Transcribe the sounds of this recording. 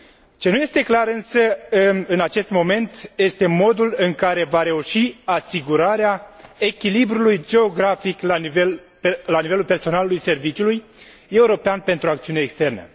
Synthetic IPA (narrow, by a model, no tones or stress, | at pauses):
t͡ʃe̞nuje̞st̪e̞klaɾɨnsəɨnat͡ʃe̞st̪mo̞me̞nt̪je̞st̪e̞mo̞d̪ulɨŋkaɾe̞vaɾe̞uʃiasiɡuɾaɾeae̞kʲilibɾulujd͡ʒe̞o̞ɡɾafiklavel | lanivelulpe̞rso̞nalulujse̞rvit͡ʃiuluj | e̞uɾo̞peanpe̞nt̪ɾuak̚t̪siune̞ːkst̪e̞rnə̰